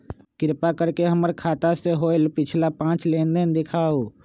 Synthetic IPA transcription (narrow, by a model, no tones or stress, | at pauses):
kɪɾpakəɾkeɦəməɾkʰaːt̪aseɦoːɪlpɪt͡ʃʰlapãːt͡ʃlẽːnd̪ənd̪ɪkʰaːoː